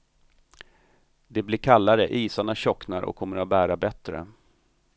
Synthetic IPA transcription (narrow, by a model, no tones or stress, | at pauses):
d̪ɛblɪːɾkʰalːaɾəʔiːsaɳaɕɔknaɾʔɔ̰kʰːɔmːəɾat̪̚bæːɾabɛt̪ɾə̰